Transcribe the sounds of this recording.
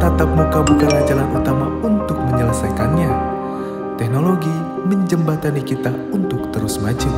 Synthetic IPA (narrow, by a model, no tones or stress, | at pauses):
t̪at̪ap̚mukabukanad͡ʒalanut̪amaunt̪ʊk̚məɲələsajkanɲa | t̪ɛk̚noloɡi | məɲd͡ʒəmbat̪anikit̪a | unt̪ʊk̚t̪əɾusmad͡ʒu